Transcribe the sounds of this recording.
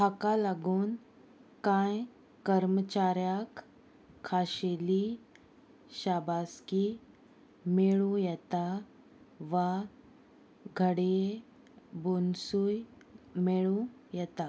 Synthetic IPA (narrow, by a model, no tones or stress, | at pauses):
hakalaɡuːn | kãj | kəɾmət͡ɕaɾjakʰː | aɕeli | ɕabaski | meɭũjɛt̪a | ʋa | ɡʱəɽe | bonsuj | meɭũjɛt̪a